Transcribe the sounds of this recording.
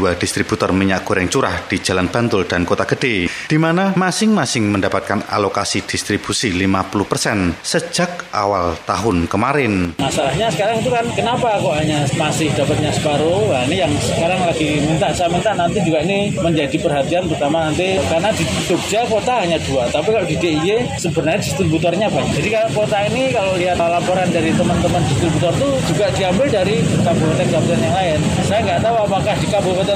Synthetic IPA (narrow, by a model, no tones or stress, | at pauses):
d̥uad̥ist̪ɾib̥ut̪ɔrmiɲaʔɡ̥oɾɛŋt͡ʃuɾa̰hd̥id͡ʒalanb̥a̤nt̪ʊld̥ankot̪aɡ̥əd̥ed̥imanamasɪŋmasɪŋməndapat̪̚kana̰lokasid̥ist̪ɾib̥usilimapuluhpərsɛnsəd͡ʒak̚a̰walt̪a̰ɦʊnkəmaɾɪnmasalahɲasəkaɾaŋit̪ukankənapakɔʔɦaɲamasɪhd̥apat̪̚ɲasəbaɾojanijaŋsəkaɾaŋlaɡimint̪aʔsajamint̪aʔnant̪id͡ʒuɡainiməɲd͡ʒadipərɦat̪ianpərt̪amanant̪ikarnadi | t̪uk̚d͡ʒakot̪aɦaɲaduat̪apikaloʔdideʔijesəbərnarɲadist̪ɾibut̪ɔrɲabaɲak̚d͡ʒadikakot̪ainikaloliɦat̪lapoɾandaɾit̪əmənt̪əməndist̪ɾibut̪ɔrt̪ud͡ʒuɡaʔdiambɪldaɾikabʊɾkot̪ankabut̪anjaŋlaɪn | sajaŋɡaʔt̪auapakahdikabʊɾkot̪a